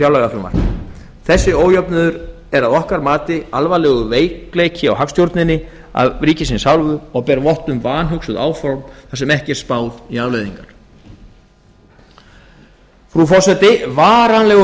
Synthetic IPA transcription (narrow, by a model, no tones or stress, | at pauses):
jawlɛɣaflʏma̰ɾ̥ | θɛsːɪoːwjœpnʏðʏɾ | ɛɾaðɔhkaɾmaːt̪ɪalvalɛːɣʏveːjklejcɪawɦafst̪jowɾt̪nɪnːɪ | a̰vɾiːcɪsinsawlvʏɔɣpɛːɾvɔht̪ʏmvaːnɦœksʏða̰ːwfɔɾmθasɛmɛhcɪɛɾ̥spaːwðiaːvlejðiŋkaɾ̥ | fɾufɔsɛt̪ɪvaːɾanlɛɣʏ